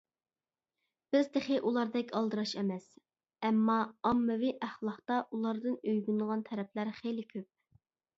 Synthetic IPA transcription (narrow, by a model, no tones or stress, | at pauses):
b̥ɪzd̪ɪχɪʔulˠɑɾd̪ɛkʲʰɑlˠd̪ɨɾɑʃɛmɛs | ɛmːɑːmːɨviʔæχlˠɑχt̪ɑʔulˠɑɾd̪ɨnøjɡʲynʁɑnt̪ʰɛɾɛpʰlæɾχejlɪkʲʰøp̚